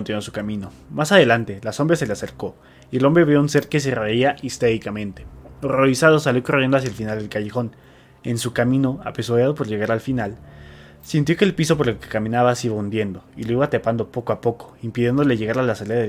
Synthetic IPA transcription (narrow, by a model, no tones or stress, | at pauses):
ont̪inwosu̥kamĩno̞ | masaðe̞lant̪e̞laso̞mbɾase̞le̞ase̞ɾko̞ | ielo̞mbɾeβjounse̞ɾkes̬ereiaʔist̪eɾikamẽ̞nt̪e̞̥oro̞isað̞o̞saljo̞korje̞nd̪oas̬jaelfinald̪e̞lkaʝexo̞n | e̞nsukamĩno̞a̰pesoðjaðo̞p̬o̞ɾʝe̞ɣ̞aɾalfinal | sjint̪jo̞keːlpiso̞p̬o̞ɾekekamĩnaβasiβaund̪je̞nd̪o̞iloiβat̪epand̪opo̞ko̞apo̞ko̥impiðje̞nd̪o̞le̞ʝe̞ɣaɾalasaleðaðe